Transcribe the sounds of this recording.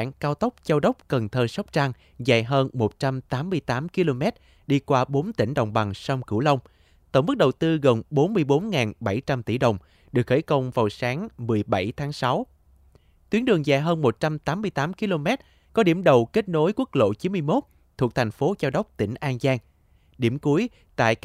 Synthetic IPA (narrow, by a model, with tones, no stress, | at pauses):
a̰ː˧˨ŋkaː˧wt̪ə˦˥wk͡p̚zaː˧wɗə˦˥wk͡p̚kə˨˩nt̪ʰəː˧˩sa˦˥wk͡p̚t͡ɕa˧ŋ | za̰ː˧˨jɦəː˧nmo˨˩t̚t͡ɕa˧mt̪aː˨˦mːɨ˧əjt̪aː˨˦mki˧lo˧mɛ˦˥t̚ | ɗi˧kwaː˧ɓo˨˦nt̪ï˧˩ŋ̟ɗə˨˩wŋ͡mɓa˨˩ŋsa˧wŋ͡mkɨ̰˧˩wlə˧wŋ͡m | t̪o˧˩ŋ͡mmɨ˦˥k̚ɗə˨˩wt̪ɨ˧ɣə˨˩nɓo˨˦nmɨ˧əjɓo˨˦nŋaː˨˩nɓa˧˩jt͡ɕa˧mt̪i˧˩ɗə˨˩wŋ͡m | ɗɨ˨˩ək̚xe˧˩jkə˧wŋ͡mvaː˨˩wsaː˨˦ŋmɨ˨˩əjɓa˧˩jt̪ʰaː˨˦ŋsa˨˦w | t̪wi˨˦ənɗɨ˨˩əŋzaː˧˨jɦəː˧nmo˨˩t̚t͡ɕa˧mt̪aː˨˦mːɨ˧əjt̪aː˨˦mki˧lo˧mɛ˦˥t̚ | kɔ˨˦ɗi˧˩əmɗə˨˩wke˦˥t̚no˨˦jkwk̚lo̰˧˨t͡ɕi˨˦nmɨ˧jmo˦˥t̚ | t̪ʰu˨˩ək̚t̪ʰjŋ̟fo˨˦zaː˧wɗə˦˥wk͡p̚t̪ï˧˩ŋ̟ʔaː˧nzaː˧ŋ | ɗi˧˩əmku˨˦əj | t̪a̰ː˧˨j